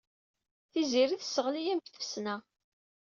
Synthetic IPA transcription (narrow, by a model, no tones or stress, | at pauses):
θiziɾiθsːəʁlijæmçθə̥fsnæ